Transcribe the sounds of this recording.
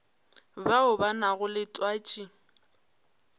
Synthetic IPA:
baʊbanaɣʊlɪtʼwaːt͡ʃʼi

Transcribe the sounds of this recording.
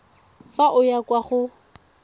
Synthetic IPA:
faʔʊjakʼwaχʊ

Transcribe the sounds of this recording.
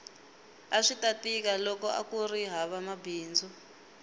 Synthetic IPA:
aʂitatik̬alɔkɔʔa̰kuriɦaβamabʱiːnd͡zʱu

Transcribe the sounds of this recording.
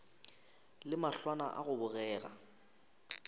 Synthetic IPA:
lɪmaɬwana̰ʔa̰ɣʊbʊɣɛːɣa̰

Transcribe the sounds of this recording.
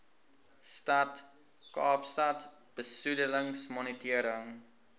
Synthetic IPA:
stɐt | kɑːpstɐt | b̥əsudələŋsmɔnətiəɾəŋ

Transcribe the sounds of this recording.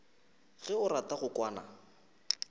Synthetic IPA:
ɣɛʊɾataɣʊkwaːna̰

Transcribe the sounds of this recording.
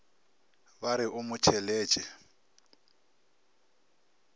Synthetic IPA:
baɾɪʔʊmʊt͡ʃʰɛleːt͡ʃʼɛ

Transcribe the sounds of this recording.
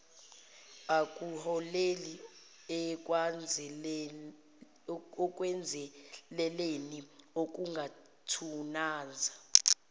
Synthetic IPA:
akʼuhɔleli | ɛk̬ʼwand͡zʱ | ɔk̬ʼwɛnd͡zʱɛlɛleniok̬ʼuŋɡʱa | tʰunaːnd͡zʱa

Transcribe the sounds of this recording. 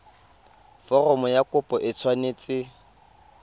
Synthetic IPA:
fɔrɔmɔjakʼʊpʼɔʔɪt͡sʰwaneːt͡sʼɪ

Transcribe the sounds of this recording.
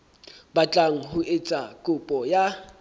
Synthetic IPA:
bat͡ɬʼaŋ̩ɦʊʔet͡sʼakʼʊpʼɔja

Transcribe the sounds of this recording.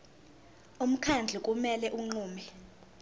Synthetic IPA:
um̩kʰand͡ɮʱikʼumɛlɛʔuŋ͡ǃuːmɛ

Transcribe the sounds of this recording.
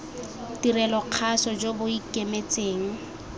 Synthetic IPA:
tirɛlɔq͡χʰasɔd͡ʒobʊikʼemet͡sʼeːŋ̩

